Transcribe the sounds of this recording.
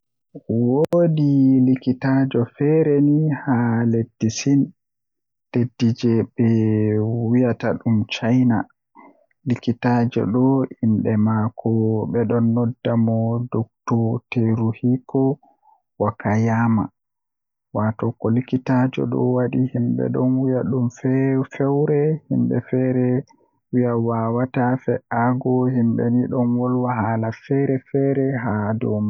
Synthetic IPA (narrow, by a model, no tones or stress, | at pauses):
wodilikitad͡ʒɔfɛɾenihaledːisin | ledːid͡ʒɛɓɛ | wijataɗumt͡ʃajna̰ | likitad͡ʒɔ̰ɗɔʔimɗɛmakʰɔɓɛɗɔnːɔdːamɔdɔk̚tɔteɾuhikɔ | wakajama̰ | watɔkɔlikitad͡ʒɔ̰ɗɔ̰waɗihimbɛ̰ɗɔnwijaɗumfɛfɛwɾɛhḭmbɛ̰fɛɾɛ | wijawawatafɛʔaɡɔhimɓɛ̰niɗɔnwɔlwahaːlafɛɾɛfɛɾɛɦadɔma